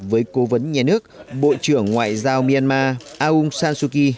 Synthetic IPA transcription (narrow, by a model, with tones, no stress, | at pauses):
vəː˨˦jko˨˦və˨˦nɲaː˨˩nɨ˦˥ək̚ɓo̰˧˨t͡ɕɨ˧˩əŋːwa̰ː˧˨jzaː˧wmi˧a˧nmaː˧ʔaː˧ʔu˧ŋ͡msaː˧nsu˧ki˧